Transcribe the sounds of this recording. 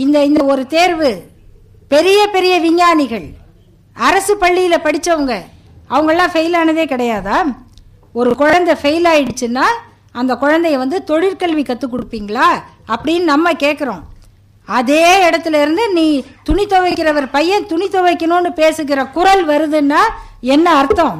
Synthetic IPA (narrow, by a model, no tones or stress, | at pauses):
ɪnd̪ɐɪnd̪ɐɔɾɯt̪eːɾʋɯ | pɛɾɪjɐpɛɾɪjɐʋɪɲːaːnɪɣɐɭ | ɐɾɐsɯpɐɭːɪjɪlɐpɐɽɪt͡ʃːɐʋɐŋɡɐ | ɐʋɐŋɡɐɭlːãːfɐjɪlaːnɐðeːkɪɽɐjaːðaː | ɔɾɯkʊɻɐnd̪ɐfɐjlaːjɪɽɯt͡ʃːɯnːaː | ɐnd̪ɐkʊɻɐnd̪ɐjʋɐnd̪ɯt̪ɔɻɪɾkɐɭʋikɐt̪ːɯkːʊɽɯpːiːŋɡɐɭaː | ɐpːɐɽɪjnːɯnɐmːɐkeːʈkːɐɾõ | ɐðeːɛɽɐt̪ːɪlɪɾɯnd̪ɯniːt̪ʊɳɪt̪ːɔʋɐɪkːɪɾɐʋɐɾpɐjːɐ̃t̪ʊɳɪt̪ːɔʋɐɪkːɐnõːnːɯpeːsɯɣɪɾɐkʊɾɐlʋɐɾɯðɯnːaː | ɛnːɐːɾt̪ːɔ̃ː